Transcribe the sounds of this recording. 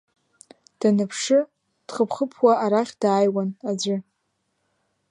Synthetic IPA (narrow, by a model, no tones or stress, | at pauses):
d̥anɨpʰʂɨ | d̥χəpʰχəpʰwaaɾaχʲd̥aːjwanad͡ʒʷɨ